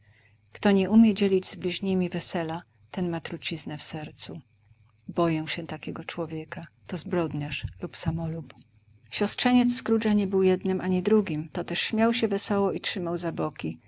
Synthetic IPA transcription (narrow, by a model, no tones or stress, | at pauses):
kt̪ɔɲɛʔumʲjɛd͡ʑelʲid͡ʑzblʲiʑɲimʲivɛsɛla | t̪ɛnmat̪ɾut͡ɕiznɛfsɛɾt̪su | bɔjɛw̃ɕɛt̪akʲɛɡɔt͡ʂwɔvʲjɛkat̪ɔzbɾɔd̪ɲaʂlupsamɔlup | ɕɔstʂɛɲɛt̪sːkɾud͡ʐaɲɛbɘwjɛd̪nɘmʔaɲid̪ɾuɡʲimt̪ɔt̪ɛʂɕmʲjawɕɛvɛsɔwɔʔitʂɘmawzabɔkʲi